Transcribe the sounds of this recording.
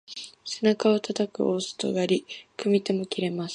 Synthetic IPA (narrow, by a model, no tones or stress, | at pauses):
senakao̞t̪at̪akɯ̟̰ʔo̞ːsɨ̥t̪o̞̰ɡaɾʲikɯ̟mʲit̪o̞mo̞kʲiɾe̞masɨ̥